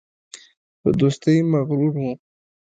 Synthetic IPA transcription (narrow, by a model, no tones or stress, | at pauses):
pə̰d̪ost̪əjmaɣɾuɾwu